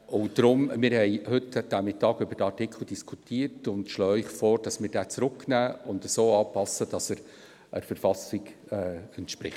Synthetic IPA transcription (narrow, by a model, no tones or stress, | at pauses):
ʊnd̥ɾʊmmɪɾhɛɪhʏtːəd̥æmɪtːɑːɡʏbəɾd̥əɑrtɪkʰl̩ˠd̥iskʰutʰiːəɾtʊndʃlɔːɪχfɔːɾd̥ɑsmɪːɾd̥æːt͡sɾʊkːnæːʊndəsoːɑːpɑsːəd̥ɑsəɾ | ʔə̰ɾfəɾfɑsɪɡ | ɛːɛntʃpɾɪ̰χt